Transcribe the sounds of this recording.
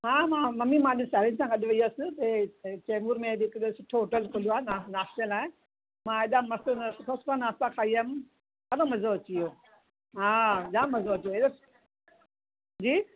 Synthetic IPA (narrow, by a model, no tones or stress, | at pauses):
ɦãːmãːmɐmimãɪɗʊ̃saɾinsãɡɐɗʋɐiosɪt̪ɐt͡ɕeːmuɾmẽdɪkɗsʊʈʰooːʈəlkʰolijoaːɦenanaːst̪əlaːɪ̃ | mãeɗamɐsskʰoskãnaːst̪ãkʰaːiəm | ɐɾomɐzoɐt͡ɕioː | ɦãɗãːmɐzoɐt͡ɕijoeɗo | d͡ʑiː